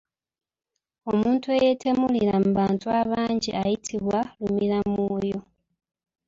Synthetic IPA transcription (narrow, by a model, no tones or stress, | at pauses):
o̞muːntueje̞tʰe̞muliɾamubaːntuaβaːɲɟiʔajitʰiβwalumiɾamujo̞